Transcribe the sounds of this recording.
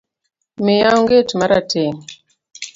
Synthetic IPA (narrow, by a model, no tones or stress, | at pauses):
mejauŋɡetumaɾa̰tɛni